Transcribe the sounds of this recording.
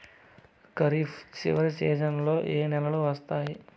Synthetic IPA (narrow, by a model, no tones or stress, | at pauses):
kɐɾift͡ʃḭʋɐɾsɛːʃɐnlo̞ːʔeːnɛlɐluʋɐst̪aːji